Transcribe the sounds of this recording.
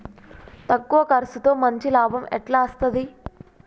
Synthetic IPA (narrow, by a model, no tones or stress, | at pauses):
t̪ɐkːuʋɐkɐɾɐsut̪o̞ːmɐɲt͡ʃilaːbʱɐmɛʈlaːɐst̪ɐd̪i